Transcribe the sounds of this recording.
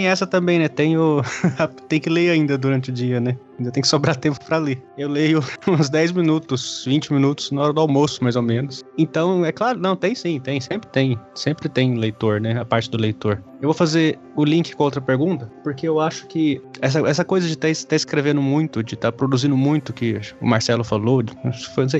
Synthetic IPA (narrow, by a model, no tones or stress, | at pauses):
t̪ẽj̃ɛsɐt̪ɐ̃mbẽj̃nɛt̪ẽj̃ʊɐt̪ẽj̃kɪleɾaĩnd̪ɐd̪uɾɐ̃nt͡ʃɪʊd͡ʒiɐnɛaĩd̪ɐt̪ẽj̃kɪsobɾat̪ẽmpʊ̥pɾɐleewlejʊũzd̪ɛjzmĩnut̪ʊsvĩt͡ʃɪmĩnut̪ʊ̥znaɔɾɐd̪ʊawmosʊmajzomẽnʊsẽt̪ɐ̃w̃ɛklaɾʊnɐ̃w̃t̪ẽj̃sĩt̪ẽj̃sẽmpɾɪ̥t̪ẽj̃sẽmpɾɪt̪ẽj̃lejt̪oɾnɛɐpaɾt͡ʃɪd̪ʊlejt̪oɾ | ewvowfaze | ʊlĩŋkɪ̥kõowt̪̬ɾɐpeɾɡũnt̪ɐpoɾkeewaʃʊ̥kɪɛs̬ɐɛsɐkojzɐd͡ʒɪt̪aɪst̪aɪskɾevẽnd̪ʊmũj̃t̪ʊd͡ʒɪt̪apɾod̪uzĩnd̪ʊmũj̃t̪ʊkɪʊ̰maɾsɛlʊfalod͡ʒfoũsej